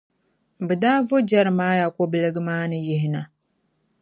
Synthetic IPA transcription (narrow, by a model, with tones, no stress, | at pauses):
bɨ˨daː˦vo˦d͡ʒa˦ɾɨ˨maː˦ja˨kɔ˦bɨ˦lɨ˦ɡɨ˦maː˦nɨ˦jɪ˦ɦɪ˨na˨